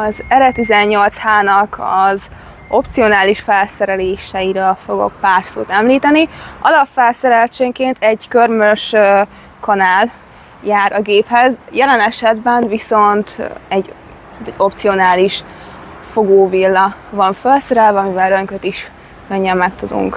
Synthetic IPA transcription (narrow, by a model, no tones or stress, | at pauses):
ɒzɛɾɛt̪izɛɲːo̞lt̪shaːnɒkʰɒz | ʔo̞pt̪sio̞naːliʃfɛlsɛɾɛleːʃɛiɾɛlfo̞ɡo̞̰k̚paːrsoːt̪ɛmliːt̪ɛniɒlɒffːɛlsɛɾɛlt͡ʃeːŋkeːnt̪ɛɟkørmøʃ | kɒnaːl | jaːɾɒɡeːphɛzjɛlɛnɛʃɛd̪bɛnviso̞nt̪ɛɟ̪ː | ɛɟo̞p̚t̪sio̞naːliʃ | fo̞ɡoːvilːɒvɒɱfølsɛɾɛlvɛɒmivɛlɾø̞ŋkøt̪iʃ | køɲːɛmːɛkt̪ud̪ṵŋk